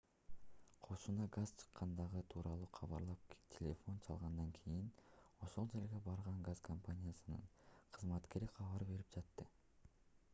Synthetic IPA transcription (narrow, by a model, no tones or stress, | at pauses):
qʰo̞ʃunɑɡaz̥t͡ʃʰɯ̥qːɑnd̪ɑʁɯt̪ʰuːɾʔɑlˠuːqʰɑβɑɾlˠɑp̚tʲʰelʲefo̞nt͡ʃʰɑlˠʁɑnd̪ɑŋkʰijino̞ʃo̞lˠd͡ʒe̞ɾɡe̞bɑɾʁɑŋɡazkʰompanʲijasɯnɯ̰ɴqʰɯzmɑt̪ke̞ɾiqʰɑβɑɾbe̞ɾip̚d͡ʒɑt̪ːɯ